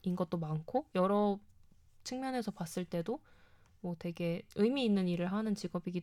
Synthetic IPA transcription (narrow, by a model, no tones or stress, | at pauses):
inɡʌt̚t͈omankʰojʌɾʌ | t͡ɕʰɯŋmjʌne̞sʰʌpas͈ɯɭt͈e̞do | mwʌtwe̞ɡe̞ɯjmiːnːɯniɾɯɭɦanɯnt͡ɕiɡʌbiɡi